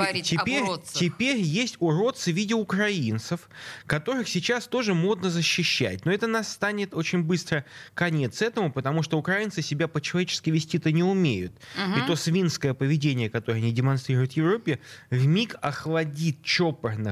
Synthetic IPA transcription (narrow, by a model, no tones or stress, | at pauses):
t̪ʲɪpʲeɾʲtʲɪpʲeɾʲjesʲtʲʊɾo̞t̪sɨvʲidʲɪʊkɾɐint̪səfkɐt̪o̞ɾɨxsʲɪt͡ɕast̪o̞ʐɨmo̞d̪nəzəɕːɪɕːæ̰t̚ʲno̞ɛt̪ənɐst̪anʲɪt̪o̞t͡ɕɪnʲbɨst̪ɾəkɐnʲe̞t̪sɛt̪əmʊpət̪ɐmuʂt̪oʊkɾɐint̪sɨsʲɪbʲapət͡ɕɪlˠɐvʲet͡ɕɪ̥skəɪjvʲɪsʲtʲit̪ənʲɪʊmʲejʊ̰t̪it̪o̞svʲinskəjəpəvʲɪdʲenʲɪjəkɐt̪o̞ɾəɐnʲidʲɪmɐnst̪ɾʲiɾʊjʊt̪jɪvɾo̞pʲːɪvmʲikɐxlˠɐdʲit̪̚t͡ɕo̞pərnɨ̰